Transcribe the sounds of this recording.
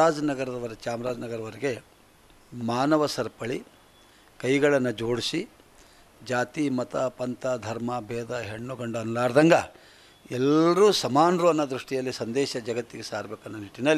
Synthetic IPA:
aːd͡ʒnɐɡɐɾɐd̪ɐʋɐɾɐt͡ʃaːmɾaːd͡ʒnɐɡɐɾɐʋɐɾeɡe̞ | maːnɐʋɐsɐɾpɐɭi | kɐjɡɐɭɐnːɐd͡ʒoːɽisi | d͡ʒaːt̪imɐt̪ɐpɐnt̪ɐd̪ʱɐɾmɐbʱɛːd̪ɐɦeɳːuɡɐɳɖɐɐnlaːɾd̪ɐŋɡɐ | ɛlɾuːsɐmaːnɾuɐnːɐd̪ɾuʂʈijɐlːisɐnd̪ɛːʃɐd͡ʒɐɡɐt̪ːiɡesaːɾbeːkuɐnːɐniʈːinɐlːi

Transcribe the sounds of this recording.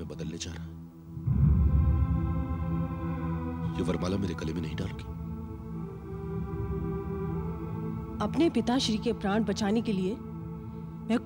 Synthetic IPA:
ẽbɐd̪əlned͡ʒaːɾaɛ | jeʋɐɾmaːlameːɾekɐlemẽnɐɦĩɖaːloːɡeː | ɐpnepɪt̪aʃɾikepɾãːʈ̚bɐt͡ʃaːnekelie | mɛ̃k

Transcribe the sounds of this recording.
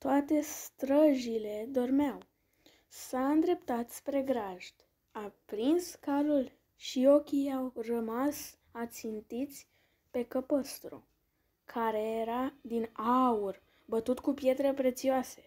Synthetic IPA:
t̪oat̪e̞st̪ɾəʒile̞d̪o̞rmeaw | saɨnd̪ɾe̞pt̪at̪spɾe̞ɡɾaʒd̪̥ | apɾinskalul | ʃio̞kʲijawrəmas | at̪sint̪it̪sʲ | pe̞kəpəst̪ɾṵ | kʰaɾe̞jeɾad̪inaur | bət̪ut̪kupje̞t̪ɾe̞pɾe̞t̪sioase̞̥

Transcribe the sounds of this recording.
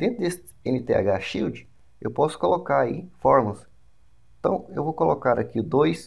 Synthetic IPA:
d̪ẽt̪ɾʊd̪esɪ | ẽnɪt̪ea̰ɡaʃiwd͡ʒɪ | ḛwpɔsʊ̥kolokaɾaifɔɾmulɐs | ẽt̪ɐ̰̃w̃ewvowkolokaɾakiʊd̪ojs

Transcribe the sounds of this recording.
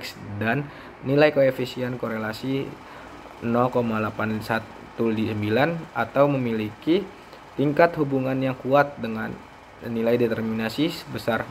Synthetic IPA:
ksdanː | ilajkoefisiɛnkoɾelasi | nɔkomalapansat̪ː | uldisəmbilanat̪awməmiliki | t̪iŋkat̪hubuŋanjaŋkuat̪̚dəŋanː | ilajdet̪ərminasisbəsar

